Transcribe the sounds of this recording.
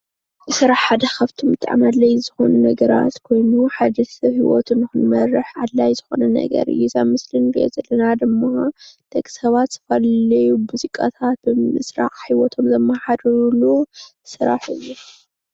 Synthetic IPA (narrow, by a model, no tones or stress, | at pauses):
zɨsɨɾaħħad̪ɐxʰɐft̪ʰumbɨt̪ʼa̰ʕmalɐjzɨxo̞nunɐɡɐɾa̰t̪kʰo̞jnuħad̪ɐɐhiwo̰t̪ʰɨnːɨxɨnmɐrːɨħʔalːajzɨxo̞nɐnɐ̰ɡɐ̰ɾɨ̰jːuzaβmɨslɨnɡiɛ̰zɐlːɐnad̪ɨmːɐt̪ʰekʼsɐβat̪z̥ɨ̥fɐlɐjubuzikʼa̰t̪ʰat̪̚bɨmɨsɾa̰ʔħiwɔt̪ʰo̞mzɐmːɐħad̪ɾulu | sɨɾa̰ħɨjːu